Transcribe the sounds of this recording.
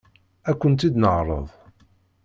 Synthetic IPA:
ækʷːənt̪id̪nəʕɾˤə̰ðˤ

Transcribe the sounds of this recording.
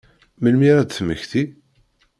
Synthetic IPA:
məlmiɾæd̪θmə̰çθi

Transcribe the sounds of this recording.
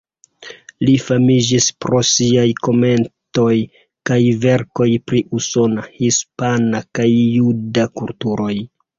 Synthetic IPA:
lifamid͡ʒispɾo̞siajko̞me̞nto̞j | kajve̞ɾko̞jpɾiʔuso̞nahispanakajːudakultuɾo̞j

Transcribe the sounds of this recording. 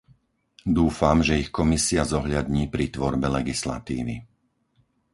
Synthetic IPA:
d̪uːfamʒɛixkɔmisiazɔɦʎad̪ɲiːpɾit̪ʋɔɾbɛlɛɡisla̰t̪ḭːʋḭ

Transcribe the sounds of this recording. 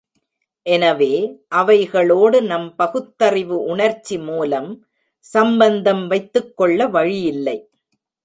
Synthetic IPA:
ʔɛnɐʋeːʔɐʋɐɪɣɐɭoːɽɯnɐmpɐɣɯt̪ːɐrɪʋɯʔʊɳɐɾt͡ʃːimuːlɐm | sɐmbɐnd̪ɐmʋɐɪt̪ːɯkːɔɭːɐʋɐɻɪjɪlːɐɪ

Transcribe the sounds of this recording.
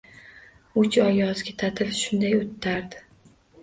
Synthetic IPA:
ʊt͡ʃɒjɒzɡʲɪt̪ʰat̪ʰɪlʃʊnd̪ajot̪ʰːaɾd̪ɪ

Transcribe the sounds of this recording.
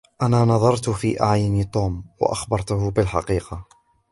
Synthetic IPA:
ʔanaːnɑðˤɑɾˤt̪fḭːʔaʕjʊnit̪ˤuːmwa̰ʔɑxbɑɾˤt̪ʊhʊbɪlħɑ̰qiːqɑ

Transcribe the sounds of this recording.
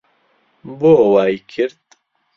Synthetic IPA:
boːwaːjkʰɪɾt̪̚

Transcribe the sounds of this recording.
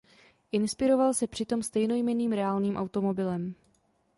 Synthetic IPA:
ʔɪnspɪɾo̞valsɛpr̥ɪt̪o̞mst̪ɛjno̞jmɛniːmɾɛaːlniːmʔawt̪o̞mo̞bɪlɛm

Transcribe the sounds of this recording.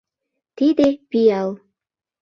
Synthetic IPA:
t̪id̪epijɑlˠ

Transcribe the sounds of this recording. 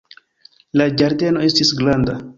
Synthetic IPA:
lad͡ʒaɾde̞no̞e̞stisɡlanda

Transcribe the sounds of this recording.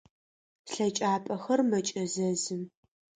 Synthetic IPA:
ɬɐt͡ʃʼaːpʼɐxɐrmɐt͡ʃʼɐzɐzɨm

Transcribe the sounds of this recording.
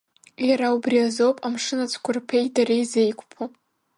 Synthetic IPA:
jaɾaubriazo̞wpʼamʂɨnat͡sʼʰkʷʰʊrpʰejdaɾejzejkʷʰʼpʰa

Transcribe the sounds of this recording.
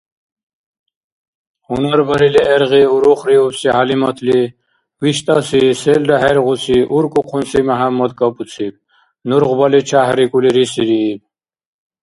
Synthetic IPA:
hunaɾbəɾiliʔɛɾʁiuɾuχɾiupsiɦalimɔt̪ʰli | wiʃt̪ʼasisɛld̪aɦɛɾʁusʰiʔuɾkʼuqʰunsimaɦamːɔd̪kʼɔpʼut͡sʰib̚ | nuɾʁbalit͡ʃʰaɦɾikʼuliɾisiɾiː

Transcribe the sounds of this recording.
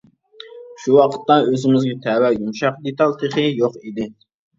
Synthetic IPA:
ʃuwɑqʰə̥t̪ːɑøzɪmɪzɡʲɛt̪ʰɛːwɛjumʃɑqd̪et̪ɑlˠt̪ʰeχɨjoqid̪ɪ

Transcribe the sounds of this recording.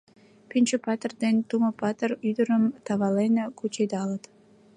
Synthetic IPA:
pynʲt͡ɕəpɑt̪ərd̪ent̪uməpɑt̪əryd̪əɾə̆mt̪ɑβɑlenʲekut͡ɕed̪ɑlət̪

